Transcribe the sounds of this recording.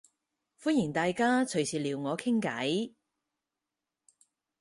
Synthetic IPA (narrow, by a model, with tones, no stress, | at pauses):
fuː˥njɪ˨˩ŋt̪aː˨jkaː˥t͡ʃʰɵ˨˩ɥsiː˨liː˨˧wŋɔː˨˧kʰɪ˥ŋkɐ˨˥j